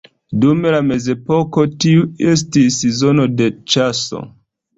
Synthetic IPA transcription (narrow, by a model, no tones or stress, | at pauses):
dumelame̞ze̞po̞ko̞tiue̞s̬tissezo̞no̞de̞t͡ʃaso̞̰